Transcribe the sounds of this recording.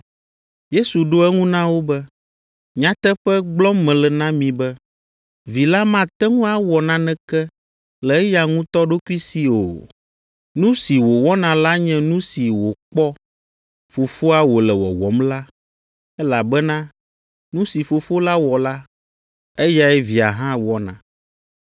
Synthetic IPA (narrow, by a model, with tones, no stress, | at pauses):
je˦su˨ɖo˦ɛ˦ŋũ˦nã˦wo˦bɛ˦ | ɲã˦t̪ɛ˦ɸɛ˦ɡ͡blɔ˦mːɛ̃˨lɛ˨nã˦mĩ˨bɛ˦ | vi˨la˦mã˦˨t̪ɛ˦ŋũ˦a˦wɔ˨nã˦nɛ̃˦kɛ˦ | lɛ˨ɛ˦ja˨ŋũ˦t̪ɔ˦ɖo˦ku˦i˦si˨o̰˨ | nũ˦si˨wo˨wɔ˦nã˨la˦ɲɛ̃˦nũ˦si˨wo˨k͡pɔ˦ | fo˨fo˦a˨wo˨lɛ˨wɔ̰˨wɔ̰˨˦mla˦ | ɛ˦la˨bɛ˦nã˦ | nũ˦si˨fo˨fo˦la˦wɔ˨la˦ | ɛ˦ja˨ɛ˦vi˨a̰˨ɦã˦wɔ˦nã̰˨